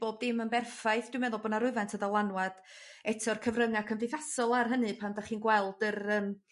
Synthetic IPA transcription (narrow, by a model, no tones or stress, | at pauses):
b̥oːb̚dɪmənbɛrfajθd̥wmɛðʊlˠbɔnaɾʊvantʰəðɔlˠanwad̥ | ɛtʰɔrkʰəvrəŋakʰəndɪjθasɔlˠarɦənɨpʰandaχiːnɡwɛlˠdərəːm